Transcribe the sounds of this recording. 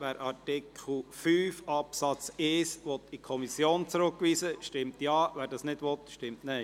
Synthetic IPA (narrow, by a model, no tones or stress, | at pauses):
ʋæːɾʔɑɾtɪkʰχl̩fyːfɑpsɑt͡sɪsʋɔt̪ikʰɔmisjoːnt͡sɾʊkːʋiːsəʃtɪmtjɑːʋæːɾdɑsnɪdʋɔtʃtɪmtnɛɪ